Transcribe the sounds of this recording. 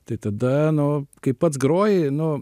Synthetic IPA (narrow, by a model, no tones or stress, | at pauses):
t̪ɐɪt̪ɐd̪ɐnʊkɐɪppːɐt̪sɡɾoːjɪnʊ